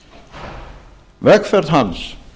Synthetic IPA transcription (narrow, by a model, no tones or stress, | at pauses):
vɛkfɛɾð̥ɦans